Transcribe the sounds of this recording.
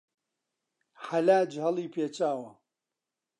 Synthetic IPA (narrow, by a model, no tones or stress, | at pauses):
ħalaːd͡ʒhɐlˠiːpʰeːt͡ʃaːwɐ